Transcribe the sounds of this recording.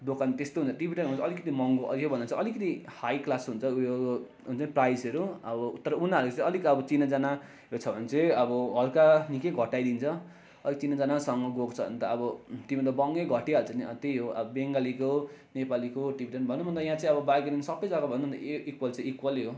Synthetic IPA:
d̪okʰant̪est̪oɦũnt͡sʰʌʈibʱiʈʌnɦunt͡sʰʌːlikʌt̪imʌŋɡoʔʌ̰ijobʌnd̪ʌt͡sʰʌʔʌlikʌt̪ihajklasɦunt͡sʰʌo | ɦunt͡sʌniprajsʌɾuʌbʌt̪ʌɾʌunaɦʌɾukot͡saĩʌlikʌbʌt͡sinad͡zana | ɦot͡sʰʌbʱʌnt͡sʌ̃ʌbʌɦʌlkanikeɡʱʌʈajd̪int͡sʰʌ | ʌlikt͡sinad͡zanasʌŋɡʌɡokt͡sʰʌbʌ̰nt̪ʌʌbʌt̪imʌnt̪ʌbʌŋɡeɡʱʌʈiɦʌɾut͡sʰʌniʌt̪ejɦoʔʌ̰bʌbeŋɡalikonepalikoʈibiʈʌnbʱʌnːum̤ʱʌnt̪ʌjãt͡saĩʌbʌbaɡiɾinsʌbʌjd͡zakobʱʌnuʌnt̪ʌ̰ikwʌlt͡saĩikwʌljo

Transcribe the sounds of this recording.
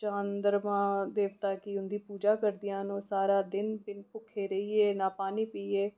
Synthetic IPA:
t͡ʃãːnd̪əɾmãːd̪eːʋt̪aːkɪʊnd̪iːpuːd͡ʒaːkəɾd̪ɪjãːnõːsaːɾaːd̪ɪnpɪnpʊkʰːeːɾəiːeːnaːpaːniːpiːeː

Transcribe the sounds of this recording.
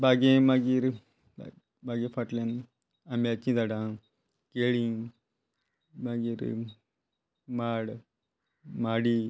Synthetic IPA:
bʱaɡẽmaɡiːɾ | bʱaɡẽfaʈlan | amiat͡ɕĩd͡zaɽã | keɭĩ | maɡiːɾ | maɽ | maɽi

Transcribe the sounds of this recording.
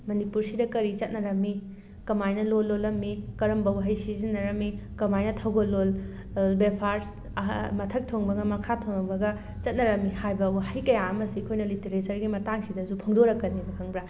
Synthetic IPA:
mɐnipuɾsidɐkɐɾit͡ʃɐt̚nɐɾɐmːi | kɐmajnɐlolːolɐmːikɐɾɐmbɐwɦɐjsizinːɐɾɐmːikɐmajnɐtʰɐwɡolːol | bepʰaɾs | mɐtʰɐk̚tʰoŋbɐɡɐmɐkʰatʰoŋɐbɐɡɐ | t͡ʃɐt̚nɐɾɐmːihajbɐwhɐjkɐjaɐmɐsikʰojnɐliteɾet͡ʃɐɾɡimɐtaŋsidɐzupʰoŋdoɾɐkːɐnibɐkʰɐŋbɾa

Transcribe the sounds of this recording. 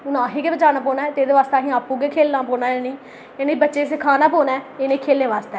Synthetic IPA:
ʊnãːɦeːkeːbət͡ʃaːnaːpoːnaːɛːt̪eːd̪eːʋaːst̪aːɦĩːaːpːũːɡekʰeːlːãːpoːnaːenĩː | eːnẽːbətːʃeːsɪkʰaːnaːpoːnaːɛeːnẽːkʰeːleːʋaːst̪ɛː

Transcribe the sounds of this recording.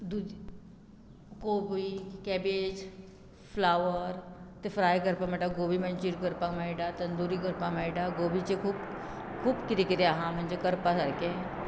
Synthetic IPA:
d̪u | koːbikɛːbeːd͡ʒ | pʰlaːʋəɾt̪ɪfʰɾaːjkəɾpamɛʈaɡoːbimɐ̃nt͡ʃiɾkəɾpamɛɪɖat̪ɐnd̪uːɾikəɾpamɛɪɖaɡoːbit͡ʃekʰub | kʰubkɪt̪ekɪt̪eaɦãmɐ̃nd͡ʒekəɾpasəɾke

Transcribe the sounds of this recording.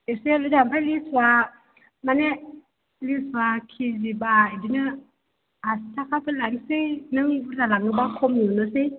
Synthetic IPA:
iseludampalisua | mane | lisuakʰid͡ʒibaidinə | astakapəlaŋsenəŋbutalaŋəbakʰomɲunəse

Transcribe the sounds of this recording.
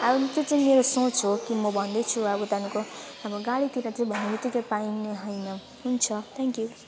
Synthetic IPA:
abʌnt̪ot͡sʌĩmeɾosõt͡sokimʌbʱʌnd̪ʌjt͡sʰuabʌt̪ankoɦamoɡaɽit̪iɾat͡sʌĩbʱʌnemit̪ikapajneɦʌjnʌ | ɦunt͡sʰʌt̪ʰɛŋkju

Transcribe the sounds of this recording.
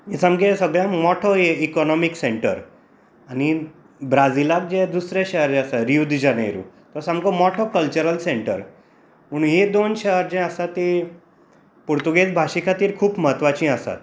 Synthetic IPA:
isamkesəɡɭjãmɔʈʰɔeikɔnɔmikseɳʈə̰ɾ | ani | bɾad͡zilak̚d͡ʑɛd̪usɾeɕəɦəɾd͡ʑẽəsaɾiud̪d͡ʑanejɾṵ̃t̪ɔsamkɔmɔʈʰɔkəlt͡ɕəɾəlseɳʈə̰ɾ | m̤əɽ̃ũnɦed̪onɕəɦəɾd͡ʑẽəsat̪ːi | puɾt̪uɡet͡sbʱaɕikʰat̪iːɾkʰuːpməɦət̪ʋat͡ɕĩəsa̰t̪

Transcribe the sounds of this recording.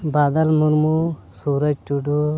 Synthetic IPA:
baːd̪ɐlmuɾmusuːɾɐd͡ʒt͡ʃuɖu

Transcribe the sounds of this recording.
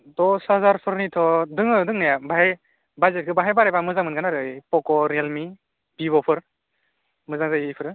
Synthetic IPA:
dɔsazaɾpʰɯɾnitʰɔdɯŋɯdɯŋnajabaɦaj | bajzet̚kʰɯbaɦajbaɾajbamɯzaŋmɯnɡanaɾɯjpɔkɔɾelmi | biβɔpʰɯɾ | mɯzaŋzajipʰɯɾɯ

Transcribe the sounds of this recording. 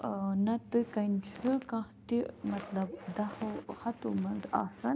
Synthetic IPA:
nɐt̪ɨkɐnt͡ʃʰɨkãht̪imɐt̪lɐbd̪ɐhɐhɐt̪umɐnza̰ːsɐn

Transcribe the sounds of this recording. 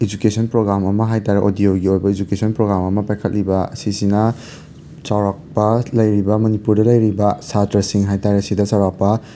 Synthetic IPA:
id͡ʒukesɔnpɾoɡɾamɐmɐɦajtaɾeʔodioɡiojbɐid͡ʒukesʰɔnpɾoɡɾamɐmɐpajkʰɐt̚libɐsisinɐ | t͡ʃawɾak̚pɐlɐjɾibɐmɐnipuɾdɐlɐjɾibɐsatɐɾsiŋɦajtaɾɐsidɐt͡ʃawɾak̚pɐ

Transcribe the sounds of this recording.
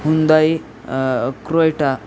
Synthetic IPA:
ɦund̪aj | kɾojʈa

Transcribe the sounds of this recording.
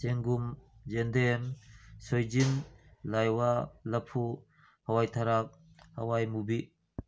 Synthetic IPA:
seŋɡumd͡ʒend̪emsɔjd͡ʒinlajwalɐpʰu | hawajt̪ʰaɾak̚ | hawajmubiʔ

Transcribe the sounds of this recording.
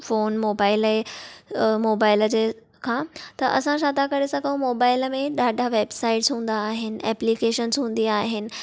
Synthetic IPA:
foːnmoːbaːɪle | moːbaːɪləd͡ʑeː | kʰãːt̪ɐʔɐ̰sãʃ̬aːt̪akɐɾesɐ̃kɐõmoːbaːɪləmẽɗaːɖʱaʋeːbsaːɪʈzɦũːn̆d̪aːɦɪnɪ̆ɛːplikeːʃənzɦũːn̆d̪iaːɦɪnɪ̆

